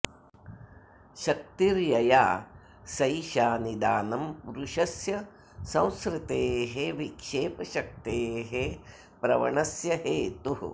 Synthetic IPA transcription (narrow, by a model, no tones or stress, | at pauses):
ʃɐk̚t̪iɾjɐjaː | sɐjʃaːnid̪aːnɐmpuɾuʃɐsjɐ | sɐ̃w̃skɾɪt̪eːɦeʋikʂeːpɐʃɐk̚t̪eːɦe | pɾɐʋɐ̰ɳɐsjɐɦeːt̪uɦ